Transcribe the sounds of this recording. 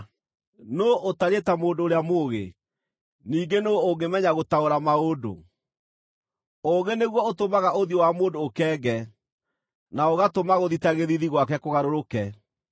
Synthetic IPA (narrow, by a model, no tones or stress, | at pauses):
noʔotaɾetamoːndoːɾeamoːɣe | niːɡenooɡemɛɲaɣotaoɾamaodo̰ | oɣeneɣwɔotomaɣaʔoðjowamoːndoːkɛːɡɛ | naoɣatomaɣoðitaɣeðiðiɣwakɛkoɣaɾoɾokɛ